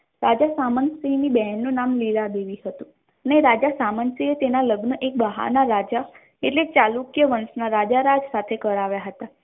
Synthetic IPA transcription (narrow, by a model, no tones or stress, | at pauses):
ɾad͡ʒasamənsinibɛɦnːũnamliɾad̪eʋiɦət̪ũ | əneɾad͡ʒasamənsiet̪enaləɡnəʔek̚bəɦa̰ɾnaɾad͡ʒa | eʈlet͡ʃalukjəʋənsnaɾad͡ʒaɾad͡ʒsat̪ʰekəɾaʋjaɦət̪a